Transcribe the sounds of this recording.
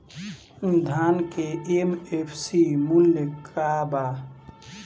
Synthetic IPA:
d̪ʱankeemepʰsimuljəkaba

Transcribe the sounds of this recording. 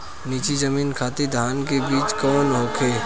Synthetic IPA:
niːt͡ʃizɐmiːnkʰaːt̪ed̪ʱaːnkebiːt͡ʃkɔːnɦoːkʰeː

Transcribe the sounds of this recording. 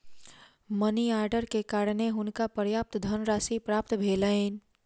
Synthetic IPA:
məniaːɾɖəɾkekaːɾneɦʊnkapəɾjaːp̚t̪d̪ʱənɾaːsipɾaːpt̪bʱeːləɪn

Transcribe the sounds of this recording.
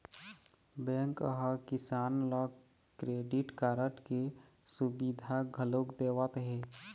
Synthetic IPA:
bɛ̃ŋkəɦəkisaːnlɔ | kɾeɖiʈkaːɾəʈke | subid̪ʱaɡʱəlokd̪eːwət̪ɦe

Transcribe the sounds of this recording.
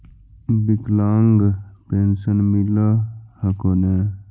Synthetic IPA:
bik̪laːŋɡpensənmiləhə̃kone

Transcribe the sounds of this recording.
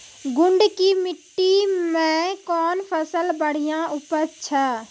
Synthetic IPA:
ɡʊɳɖkiːmɪʈːiːmɛ̃ːkɔːnpʰəsəlbəɽ̤ijãːʔʊpəɾt͡ʃʰaː

